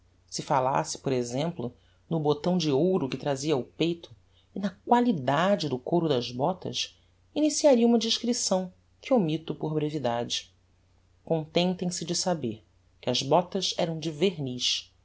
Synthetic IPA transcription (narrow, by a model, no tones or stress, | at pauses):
sɪfala̰sɪ̥poɾezẽmplʊ | nʊbot̪ɐ̃w̃d͡ʒɪowɾʊkɪt̪ɾaziɐupejt̪ʰʊ | ɪnɐkwalid̪ad͡ʒɪd̪ʊkoɾʊd̪ɐzbɔt̪ɐ̰s | inisiaɾiɐũmɐd͡ʒɪʃkɾisɐ̃w̃ | kɪomit̪ʊpoɾbɾevid̪ad͡ʒɪ | kõnt̪ẽnt̪ẽj̃sɪd͡ʒɪsabeɾ | kɪɐzbɔt̪ɐʃɛɾɐ̃w̃d͡ʒɪveɾniʃ